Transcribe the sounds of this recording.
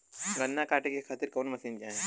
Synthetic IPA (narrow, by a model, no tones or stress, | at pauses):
ɡɐnːakaːʈekexʰaːt̪ɪɾkoːnmɐsiːnd͡ʒaːẽ